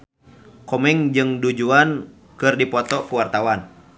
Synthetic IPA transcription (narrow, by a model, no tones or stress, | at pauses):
kɔmɛŋd͡ʒɨŋdud͡ʒuan | kɨrdipɔt̪ɔkuwart̪awan